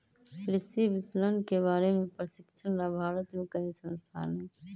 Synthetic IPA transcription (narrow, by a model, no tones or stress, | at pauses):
kɾɪsibɪslənkebaːɾemepɾəsɪkt͡ʃʰənɾabʱaɾət̪mẽkəɦisə̃nst̪ʰa̰ne